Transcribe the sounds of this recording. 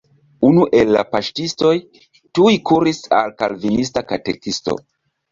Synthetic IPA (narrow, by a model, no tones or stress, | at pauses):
unuʔe̞lːa̰paʃtisto̞j | tujkuɾisalkalvinis̬takatḛkisto̞̰